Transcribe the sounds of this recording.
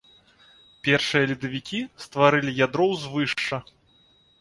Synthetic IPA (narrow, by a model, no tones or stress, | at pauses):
pʲɛrʂɨjɐlʲud̪ɐvʲikʲist̪vaɾɨlʲijad̪ɾɔwzvɨʂt͡ʂɐ